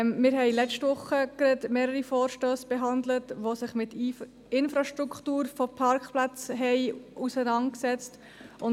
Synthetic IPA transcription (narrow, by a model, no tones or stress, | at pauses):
mɪɾɦɛɪlɛt͡ʃtʋʊχːəkɾɛdmeːɾəɾifɔːɾʃtøːsb̥ɛɦɑndlətʋosɪχmɪt | ɪnfɾɑʃtɾukχtuːɾfopʰɑɾkχplat͡sɦɛɪʔusənɑnt̚ksɛt͡st | ʔʊn